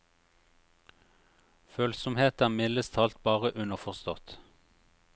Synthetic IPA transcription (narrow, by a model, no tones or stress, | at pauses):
føːlsɔmheːt̪æːʁmɪləst̪ʰɑːlt̪̚bɑːʁəʔʉnəʁfɔʁst̪ɔt̪